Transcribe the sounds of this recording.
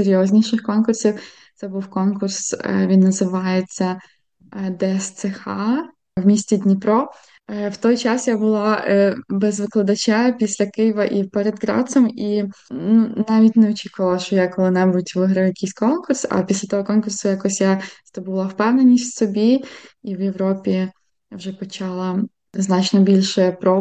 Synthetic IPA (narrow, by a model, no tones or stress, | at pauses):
seɾʲjɔzʲnʲiʃɪxkɔnkʊrsʲiw | t̪sɛbuwkɔnkʊrsʋʲinːɐzɪʋɑjet͡sʲːɐ | d̪ɛst̪sɛxɑ | wmʲisʲt͡sʲid̪ʲnʲipɾɔ | wt̪ɔjt͡ʃɑsjabʊlˠɑbɛzʋɪklˠɐd̪ɐt͡ʃʲapʲisʲlʲɐkɪjʋɐʔipɛɾed̪ɡɾɑ̰sɔminnunɑʋʲit̚ʲneɔt͡ʃʲikʊʋɐlˠɐʃt͡ʃɔjakɔlˠɪnɛbutʲʋɪɦɾɐjʊjɐkʲijsʲkɔnkʊrsɐ̰pʲisʲlʲɐt̪ɔɦɔkɔnkʊrsʊjakɔsʲjast̪ɔbʊlˠɐwpɛwnenʲisʲtʲsɔbʲiiwjewɾɔpʲi | jawʒɛpɔt͡ʃɑlˠɐ | znɑt͡ʃnɔbʲilʲʃɛpɾɔ